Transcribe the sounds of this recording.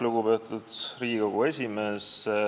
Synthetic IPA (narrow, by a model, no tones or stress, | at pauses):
luɡ̥upe̞ːt̪ˑud̪̥riːɡiɡ̥oɡue̞sʲimes